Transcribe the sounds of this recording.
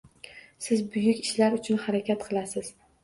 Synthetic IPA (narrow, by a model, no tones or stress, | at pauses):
sɪzbʊjʊkʲɪʃlaɾʊt͡ʃʰʊnhaɾakʲʰat̪qʰɨlˠasɪz̥